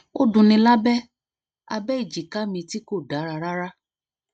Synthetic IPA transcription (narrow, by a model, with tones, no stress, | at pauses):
o˦dũ˧nĩ˧la˦bɛ˦ | a̰˧bɛ˦i˦˨d͡ʒi˨ka˦mĩ˧ti˦ko˦˨da˨˦ɾa˧ɾa˦ɾa˦